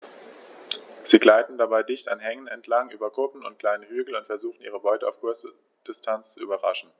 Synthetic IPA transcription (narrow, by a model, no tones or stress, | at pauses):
z̥iːɡlaɪtn̩dabaɪdɪçtanɦɛŋənɛntʰlaŋʔyːbɐɡʁʊpn̩ʊnt̚kl̥aɪnəhyːɡl̩ʊntfɛɐzuːxn̩ʔiːʁ̞əbɔʏtəaʊfkʰʊɐsə | d̥ɪstʰant͡st͡suʔyːbɐʁa̰ʃn̩